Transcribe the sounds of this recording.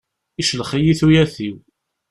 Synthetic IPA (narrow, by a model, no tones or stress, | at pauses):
iʃlχijiθujæθiw